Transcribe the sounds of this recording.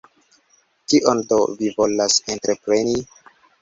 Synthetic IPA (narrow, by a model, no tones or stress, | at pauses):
kiʔondovivolasentɾepɾeni